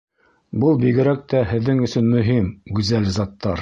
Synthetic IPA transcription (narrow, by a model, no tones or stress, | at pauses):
bɤlˠbiɣɘ̆ɾæk̚t̪æhɘ̆ðːɘŋɵ̆sɵnmɵ̆ɦimɡʉzælzɑt̪ːɑɾ